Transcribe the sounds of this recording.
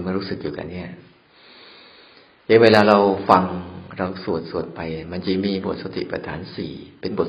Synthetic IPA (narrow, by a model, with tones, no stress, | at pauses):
m˥˩ɾuː˦˥sɯ˨˩k̚jḭː˨˩ka̰˧nːi˦˥˩ɐ | ja˦˥weː˧laː˧ɾa˧wfa˧ŋɾa˧wsu˨˩ət̪̚su˨˩ən̚pa˧jma˧nt͡ɕi˧˥miː˧bu˨˩ət̪̚sa˧t̪ʰḭ˨pɾa̰˧t̪ʰa̰ː˩˦nsḭː˨˩pe˧nbu˨˩t